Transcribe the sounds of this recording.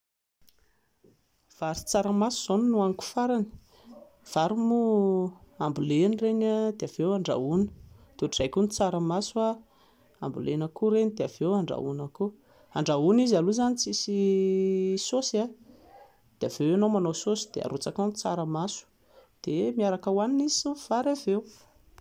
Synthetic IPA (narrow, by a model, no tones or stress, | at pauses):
v̥aɾit͡saɾəmasuz̥oninuaŋku̥faɾani̥ | v̥aɾumu | ambulenireɲad̪eav̥ewaɳɖ͡ʐa̰unə̥t̪uz̥ajkunit͡saɾəmasua | a̰mbṵlenəkuɾenid̪eav̥ewaɳɖ͡ʐa̰ṵnaku | aɳɖ͡ʐaunizaluzanit͡sisi | sosa | d̪̥eavewanowmanososi̥d̪ḛa̰ɾut͡sakant͡saɾəmasu̥ | d̪̥emiaɾakəwaninizi̥suv̥aɾavew